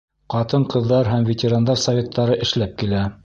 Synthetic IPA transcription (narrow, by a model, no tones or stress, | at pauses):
qɑt̪ɤɴqɤ̆ðːɑɾɦæmvʲetʲeɾand̪ɑɾsɐvʲet̪ːɑɾɤʔɘ̆ʃlæp̚kilæ